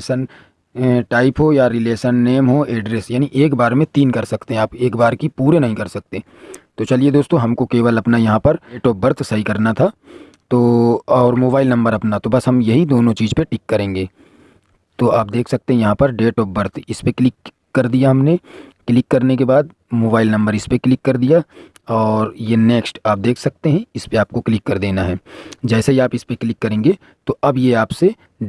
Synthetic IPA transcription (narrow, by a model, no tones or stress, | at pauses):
sən | ʈaːɪpɦojaɾɪleːʃənːeːmɦoʔeːɖɾeːsjaːniʔeːkbaːɾmẽt̪iːnkɐɾsɐkt̪eɦɛ̃aːpeːkbaːɾkipuːɾenɐɦĩkɐɾsɐk̚t̪e | t̪ot͡ʃɐlied̪oːst̪õɦɐmkokeːʋəlɐpnajɐɦãpɐɾeːʈɔːp̚bɐɾt̪ʰsɐɦikɐɾnat̪ʰa | t̪oːɔːɾmoːbaːɪlnɐ̃mbəɾɐpnat̪obɐsɦɐmjɐɦid̪oːnõt͡ʃiːzpeʈɪkːɐɾẽːŋɡeː | t̪oaːp̚d̪eːkʰsɐk̚t̪eɦɛ̃jɐɦãpɐɾɖeːʈɔːp̚bɐɾt̪ʰɪspeklɪkː | ɐɾd̪ijaɦɐmneklɪkːɐɾnek̬ebaːd̪̚ | moːbaːɪlnɐ̃mbəɾɪspeklɪkːɐɾd̪ija | ɔːɾjeneːksʈaːp̚d̪eːkʰsɐk̚t̪eɦɛ̃ɪspeaːp̚koklɪkːɐɾd̪eːnaɦɛːd͡ʒɛːseiaːpɪspekɪlɪkːɐɾẽːŋɡe | t̪oʔɐbjeaːpse